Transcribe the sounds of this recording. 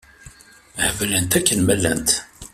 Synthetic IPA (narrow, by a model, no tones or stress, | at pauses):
hvlənt̪ækːənmælːænt̪